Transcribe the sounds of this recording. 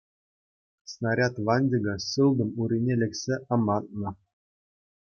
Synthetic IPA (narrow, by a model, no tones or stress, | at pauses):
snɑɾʲɑt̪ʋɑnʲdʲiɡɤ̆ɕɯlˠd̪ɤ̆muɾʲinʲelʲɘ̆kʲsʲeɑmɑt̪̚nɤ̆